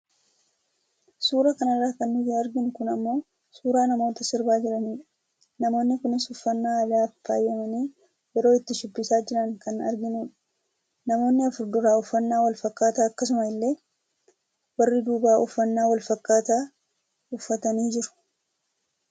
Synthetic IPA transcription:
suːɾɐkɐnɐrːaːkɐnːɪd̪ɪɐɾɡɪnʊkʊnɐmːo̞ː | suːɾaːnɐmo̞ːt̪ɐsɪɾbaːd͡ʒɪᶑɐniːᶑɐ | nɐmo̞ːnːɪkʊnɪsʊfːɐnːaːɐlaːfa̰ːjɛmɐniː | jɛɾo̞ːɪt̪ːɪʃʊpːɪsaːd͡ʒɪɾɐŋkɐnɐ̰ɾɡɪnuːᶑɐ̥ | nɐmo̞ːnːɪɐfʊɾd̪ʊɾaːʊfːɐnːaːwɐlfɐkːaːt̪aːɐkːɐs̬ʊmɐɪlːe̞ː | wɐrːɪd̪uːbaːʔʊfːɐnːaːwɐlfɐkːaːt̪aː | ʊfːɐt̪ɐniːd͡ʒɪɾʊ̥

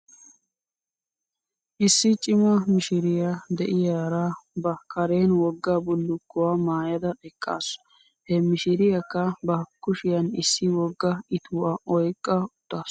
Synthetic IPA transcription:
ʔɪsːɪt͡ʃʼɪmɐmɪʃɪɾɪjad̪ɛʔɪjaːɾabɐkɐɾeːnwɔɡːɐbʊlːʊkːʊwaːmaːjɐd̪ɐɛkʼːa̰ːsʊ̥ | hɛmɪʃɪɾɪjɐkːɐbɐkːʊʃɪjɐnɪsːɪwɔɡːɐɪt̪ʰuːɐʔɔjkʼːɐʊt̪ːaːs

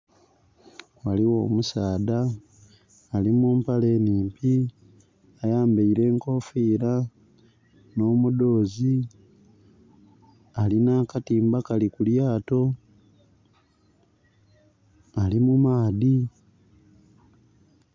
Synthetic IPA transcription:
waliwo̞ːmusaːdaː | limuːmpale̞ːniːmpi | ajaːmbeiɾe̞ːŋko̞fiːɾa | no̞ːmudo̞ːzi | alinaːkatiːmbakalikuljaːto̞ | alimumaːði

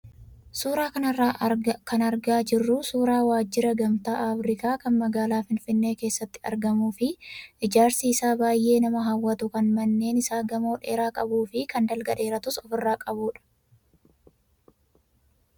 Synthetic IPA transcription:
suːɾaːkɐnɐrːaːkʰɐnɐɾɡaːd͡ʒɪrːʊsuːɾaːwaːd͡ʒːɪɾɐɡɐmt̪aːʔafɾɪkaːkɐnmɐɡaːlaːfɪnfɪnːe̞ːke̞ːsːɐt̪ːɪ̥ɐ̰ɾɡɐmuːfɪʔɪd͡ʒaːɾsiːsaːbaːjʔe̞ːnɐmɐɦɐwːɐt̪ʊkɐnmɐnːe̞ːnɪsaːɡɐmɐɔᶑe̞ːɾaːkʼɐbuːfɪkɐnd̪ɐlɡɐᶑe̞ːɾɐt̪ʊsɔfɪrːaːkʼɐbuːᶑɐ̥

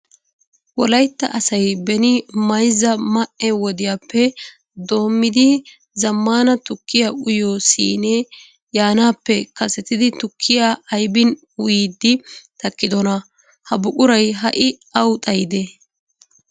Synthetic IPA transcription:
wɔlɐjt̪ːɐ̰ʔɐsɐjbɛnɪmɐjzːɐmɐʔɛwɔd̪ɪjaːpːɛ | d̪o̞ːmːɪd̪ɪ | zɐmːaːnɐt̪ʊkʰːɪjaʔʊjoːsḭːne | jaːnaːpːɛkɐsɛt̪ɪd̪ɪt̪ʊkʰːɪjaɐjbɪn | ʊjiːd̪ːɪt̪ɐkːɪd̪ɔnɐ | hɐbʊkʼʊɾɐjɦɐʔɪ | ɐwt̪ʼɐjɪd̪ɛ

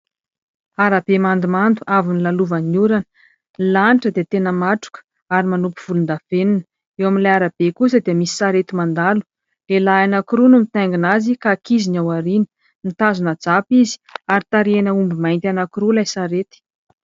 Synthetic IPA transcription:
aɾab̥emand̪umand̪uʔavinilaluvanuɾanə̥ | ilaniʈ͡ʂəd̪et̪enəmaʈ͡ʂu̥kə̥ | aɾimanupuv̥ulund̪aveninə | ewaminlajaɾab̥ekus̬əd̪iəmisi̥saɾet̪imand̪alu̥ | lelaanakiɾunumit̪aŋɡinazikakizinawaɾinə̥ | nit̪azunad͡zapizi̥aɾit̪aɾienəumbimajnt̪ʲanakiɾulajsaɾet̪i̥

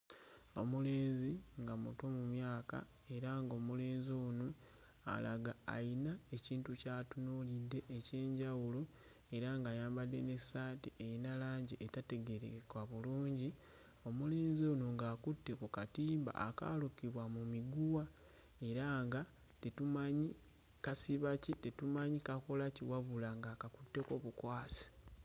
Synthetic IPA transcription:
o̞̰mule̞ːnziŋɡamuto̞mumjaːka̰ | e̞ɾaŋɡo̞ːmuleːnzio̞ːnu | a̰la̰ɡaa̰inae̞ciːntucaːtunolidːe̞ʔːce̞ːɲɟawulo | e̞ɾaŋɡaːjaːmbadːe̞ne̞saːtiʔeinalaːɲɟiʔetate̞ɡeɾḛkwaβuluːɲɟi | o̞muleːnzo̞noŋɡaːkutːe̞kukatiːmba̰a̰ka̰ːlukiβwamumiɡuwa | e̞ɾaŋɡa | tetumaɲi | kasiβacitetumaɲikako̞laciwaβulaŋɡakakutːe̞ko̞βukwaːsi̥

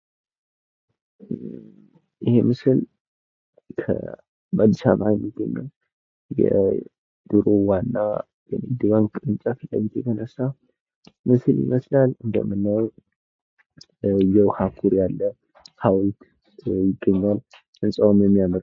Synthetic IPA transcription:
jɪhemɨsɨl | kʰə̰ | bad̪isamʔajmːiɡəɲːəw | jɛ̰ | d̪̥ɨɾowanːa | jɛnɨd̪ɨβaŋkʼɾɨnt͡ʃʼasɨlːa̰jɪt̪jɛt̪ʰənəsːa | mɨsɨljḭməslalɨnd̪ə̰mːɨnːəw | jɛwhakʰuɾjalːə | hawlt̪ | jɪɡːəɲːwal | ɨnsʼawomjɛmːijaməɾ

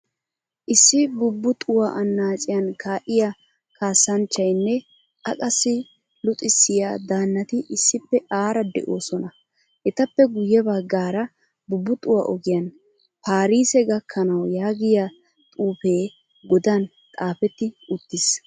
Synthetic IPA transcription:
ʔɪsːɪbʊbːʊt̪ʼʊwaʔɐnːaːt͡ʃʼɪjɐnkʰaːʔɪja | kaːsɐnt͡ʃːɐjnːɛ | ʔɐkʼɐsːɪ | lʊt̪ʼɪsːɪjad̪aːnːɐt̪ɪʔɪsːɪpːɛʔaːɾɐd̪ɛ̰ʔoːsɔnɐ | ʔɛt̪ɐpːɛɡʊjːɛbɐɡːaːɾɐ | bʊbːʊt̪ʼʊwaʔɔɡɪjɐn | paːɾiːsɛɡɐkʰːɐnɐwjaːɡɪja | t̪ʼuːpe̞ː | ɡɔd̪ɐn | t̪ʼaːfɛt̪ːɪʊt̪ːɪs

